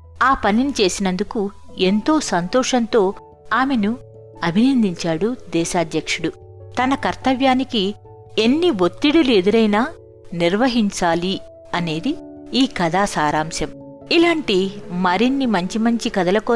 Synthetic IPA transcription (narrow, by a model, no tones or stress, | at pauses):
aːpɐninit͡ʃe̞ːsinɐnd̪ukue̞nt̪o̞ːsɐnt̪ɔːʂɐnt̪o̞ː | aːme̞nu | ɐbʱinɐnd̪iɲt͡ʃaːɽud̪ɛːʃaːd̪jɐkʂuɽu | t̪ɐnɐkɐɾt̪ɐʋjaːniki | e̞nːiʋot̪ːiɽulue̞d̪uɾɐjnaː | niɾʋɐɦiɲt͡ʃaːli | ɐne̞ːd̪i | iːkɐd̪aːsaːɾaːmsɐm | ilaːɳʈimɐɾinːimɐɲt͡ʃimɐɲt͡ʃikɐd̪ɐlɐkɔ